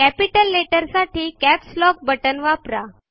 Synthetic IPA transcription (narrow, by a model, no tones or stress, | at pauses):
kæpiʈəlːeʈəɾsaʈiːkæpslɔk̚bəʈənʋapɾa